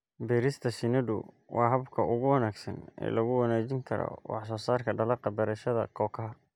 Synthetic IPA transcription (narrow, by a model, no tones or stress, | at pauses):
bɛːɾɪst̪ʰɐʃɪnɐdʊ̰ | wʔɑːɦɐbkʰɐʔʊɣʊwɐnaːɡsɐnɛ̰ːlɐɣʊwɑnaːt͡ʃɪŋkʰɐɾɔ̰wɑħsɔːsaːrkʰɐɖɐlɑqɑbɛɾɛʃɐðɐkʰɔːkʰɐɦɐ